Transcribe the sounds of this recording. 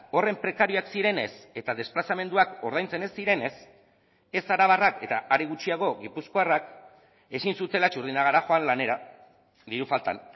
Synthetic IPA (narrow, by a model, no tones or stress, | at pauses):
o̞re̞mpɾe̞kaɾioaksiɾe̞ne̞se̞t̪aðe̞splasame̞nd̪uako̞ɾð̞ajnt͡se̞ne̞sːiɾe̞ne̞s | e̞saɾaβarake̞t̪aʔaɾiɣ̞ut͡ʃiaɣ̞o̞ɣipusko̞arak | e̞sinsut̪e̞lat͡ʃuɾðinaɣ̞aɾaxo̞anlane̞ɾa | ðiɾufalt̪a̰n